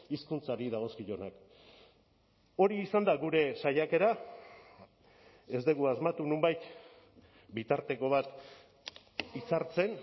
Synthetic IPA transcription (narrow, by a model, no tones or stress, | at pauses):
iskunt͡saɾiðaɣ̞o̞skiʎo̞nak | o̞ɾiːsand̪aɣuɾe̞saʎake̞ɾa | e̞zd̪eɣuazmat̪unumbajt̪ | bit̪aɾt̪e̞ko̞β̞at̪ | it͡saɾt͡se̞n